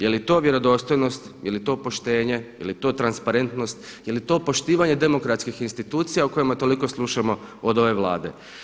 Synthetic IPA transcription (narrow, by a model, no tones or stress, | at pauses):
je̞lit̪o̞ːʋje̞ɾo̞d̪o̞ːst̪o̞jno̞st̪jelit̪o̞ːpo̞ʃt̪e̞ːɲe̞jelit̪o̞ːt̪ɾanspaɾe̞nt̪no̞st̪ | je̞lit̪o̞ːpo̞ʃt̪iːʋaɲe̞d̪e̞mo̞kɾat̪skixinst̪it̪uːt̪sijauko̞jemat̪o̞liko̞slˠuʃamo̞ | od̪o̞ʋe̞ʋlˠa̰ːd̪ḛ